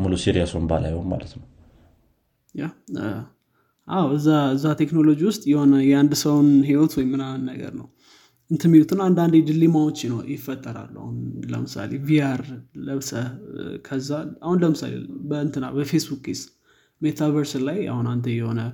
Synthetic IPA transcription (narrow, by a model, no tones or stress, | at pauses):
mulusiɾijasunba̰la̰jhonma̰lət̪nəw | ja | ʔawɨzːaɨzːat̪ʰe̞kno̞lo̞d͡ʒiwʊst̪ʼjɛho̞nəjɛand̪səwnɦiwot̪wɔjmːɨnanːə̰ɡə̰ɾnə̰w | ʔɨnt̪ʰɨmːiwut̪ʰɨnand̪and̪ed̪ɨlimawot͡ʃːɪnojɪfːət̪ʼːəɾa̰lːa̰hunlə̰mɨsa̰leviaɾləβsəkʰəzːaahunləmɨsa̰lḛbəɨnt̪ʰɨnːabəfe̞sbukis | met̪ʰavəɾsllaja̰hunant̪ʰəjɛho̞nə